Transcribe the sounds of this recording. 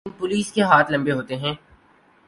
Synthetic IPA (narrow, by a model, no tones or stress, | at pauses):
npʊliːskeɦaːt̪ʰlɐ̃mbeɦoːt̪eɦɛ̃ː